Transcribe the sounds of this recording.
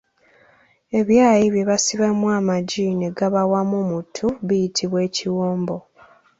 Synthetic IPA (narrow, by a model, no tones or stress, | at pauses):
e̞βjaːjiβjeβasiβamwamaɟine̞ɡaβawamumutʰuβijitʰiβwe̞ːciwoːmbo̞